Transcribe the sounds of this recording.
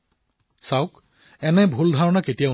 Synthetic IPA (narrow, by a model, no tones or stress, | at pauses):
saʊk | ɛnɛbʱuldʱaɹɔnaketija